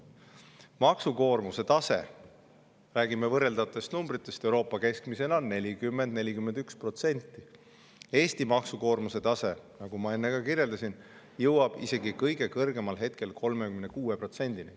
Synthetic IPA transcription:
mɑksuko̞ːrmuse̞t̪ɑse̞̰ | ræːɡimevɤre̞ld̪ɑt̪ːˑest̪numb̥ɾit̪ːˑe̞st̪e̞wɾo̞ːpːˑɑke̞skmise̞nonːe̞lʲikymːe̞nd̪ne̞lʲikymːe̞nd̪ykspro̞t̪se̞nʲt̪ːˑi | e̞ːst̪imɑksuko̞ːrmuse̞t̪ɑse̞nɑɡ̥umɑe̞nːe̞ɡ̥ɑkirjeld̪ɑsin | jɤwɑb̥ise̞ɡikɤjɡ̥e̞kɤrɡ̥e̞mɑlɦe̞t̪̚ke̞lkʰo̞lme̞kymnekuːepro̞t̪se̞nʲd̪ini

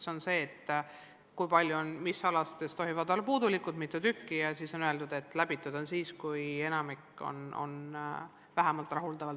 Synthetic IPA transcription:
so̞nse̞ːt̪ː | kujpɑlʲjuonmisːɑlɑst̪est̪oɦivɑd̪o̞lːɑpuːd̪ulikˑud̪mit̪ːˑut̪ykːijɑsiːso̞nøeld̪ud̪̥e̞t̪ːˑlæb̥it̪ːˑud̪̥o̞nsiːskuje̞nɑmikːˑo̞̰no̞̰n | væɦæmɑlt̪ˑrɑɦuld̪ɑvɑlt̪

